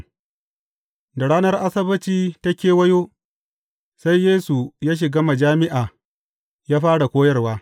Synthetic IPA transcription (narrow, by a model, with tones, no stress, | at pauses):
da˨ɽaː˦nɐ˦rʔa˦sɐ˦bɐ˦t͡ʃiː˦ta˦kʲeː˨wɐ˦joː˦ | sa˦jːeː˦su˨jaː˦ʃ̬ɪ˨ɡa˦ma˨d͡ʒaː˦mɪ˦ʔaː˨ | jaː˦ɸaː˦ɽa˨kʷoː˦jɐ˦rwaː˦